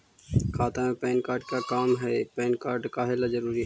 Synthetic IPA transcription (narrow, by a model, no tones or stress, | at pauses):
kʰaːt̪amẽpɛːnkaːɾɖ̚kakaːmɦɛːpɛːnkaːɾɖkaːɦelazəɾuːɾiɦɛ